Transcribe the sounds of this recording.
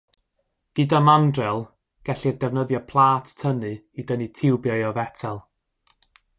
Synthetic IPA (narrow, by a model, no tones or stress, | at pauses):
ɡ̥ɨdamandrɛlˠ | ɡ̥ɛɬirdɛvnəðjɔpʰlˠaːtʰtʰːənɨ | idənitʰɪwbjɔɨɔvɛtʰalˠ